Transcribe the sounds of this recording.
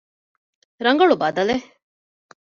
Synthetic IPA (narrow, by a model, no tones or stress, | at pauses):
ɾɐŋɡɐɭubɐd̪ɐle